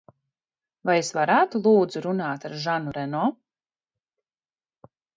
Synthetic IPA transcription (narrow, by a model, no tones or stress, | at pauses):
vajesvaɾaːt̪ulˠuːd̪zuɾunaːt̪aɾʒanuɾɛnɔː